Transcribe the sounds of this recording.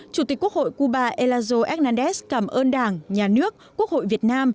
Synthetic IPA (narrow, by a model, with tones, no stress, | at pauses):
t͡ɕu˧˩t̪i˨˩k̚u˦˥k̚ho̰˧˨jku˧ɓaː˧˩ʔe˧laː˧zo˧ʔɛ˦˥naː˧nɗɛ˦˥skaː˧˩mʔəː˧nɗaː˧˩ŋɲaː˨˩nɨ˦˥ək̚ːu˦˥ək̚ho̰˧˨jvi˨˩ət̚naː˧m